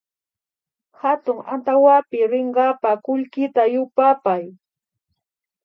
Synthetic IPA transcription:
hat̪ʊŋa̰nt̪awapɪɾɪɴɢɑpakʊʎkɪt̪ajʊpapaj

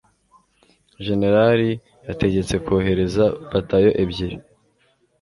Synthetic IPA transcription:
ʒe̞ne̞ɾaɾi | jate̞ɟe̞t͡se̞koːɦe̞ɾe̞zabatajo̞ʔebɟiɾi

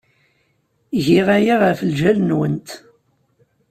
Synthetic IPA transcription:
ʝiʁæjiʁəfəlʒælənwənt̪

